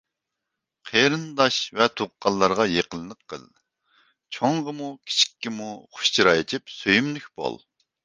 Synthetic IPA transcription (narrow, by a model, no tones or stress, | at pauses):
qʰeɾɨnd̪ɑʃvɛt̪ʰoʁqːɑlˠːɑɾʁɑjeqʰəlˠɨnəqʰːə̰lˠ | t͡ʃʰoŋʁəmukʲʰi̥t͡ʃʰi̥kʲːimuχʊ̥ʃt͡ʃʰiɾɑjet͡ʃʰipsøjymlykʲb̥o̰lˠ